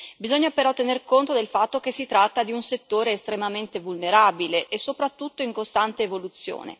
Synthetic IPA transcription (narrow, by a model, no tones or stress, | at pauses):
bizoɲːapeɾɔt̪ːenerkont̪od̪elfat̪ːok̟esːit̪ɾat̪ːad̪iunset̪ːoːɾeːst̪ɾemament̪evulneɾaːbileʔːsːopɾat̪ːut̪ːoiŋkost̪ant̪eːvolut̪sːjo̰ːnḛ